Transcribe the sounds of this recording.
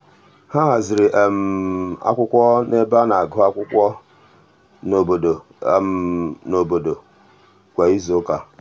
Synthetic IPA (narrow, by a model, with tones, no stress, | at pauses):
ha˦ɦa˨zɪ˨ɾɪ˨ʔm̩˨a̰˦kʷʊ˦kʷɔ˦ne˦ba˦na˨ɡʊ˦a˦kʷʊ˦kʷɔ˦ | no˨bo˨do˨˦˨ | mno˨bo˨do˨ | kʷa˨i˦zo˦ka˨